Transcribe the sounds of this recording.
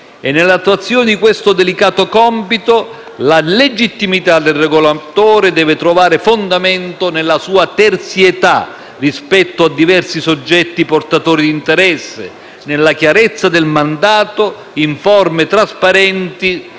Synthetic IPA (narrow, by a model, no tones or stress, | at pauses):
enːelːat̪ːwat̪sːjoːnɪd̪ikwest̪od̪elikaːt̪okɔmpit̪o | laled͡ʒit̪ːimit̪ad̪elreɡolat̪oːɾed̪ɛːvɪt̪ɾovaːɾɪfond̪amɛnt̪onelːasuːat̪ɛrt̪sjet̪a̰ | rispɛt̪ːoad̪ːivɛrsisod͡ʒːɛt̪ːiport̪at̪oːɾid̪int̪eɾɛsːḛ | nelːakjaɾɛt̪sːad̪elmand̪aːt̪o | iɱfɔrmet̪ɾaspaɾɛnt̪i